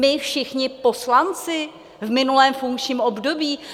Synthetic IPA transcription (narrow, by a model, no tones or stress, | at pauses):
mɪfʃɪxɲɪpo̞slant͡sɪ | vmɪnulɛːmfuŋkt͡ʃɲiːmobdo̞biː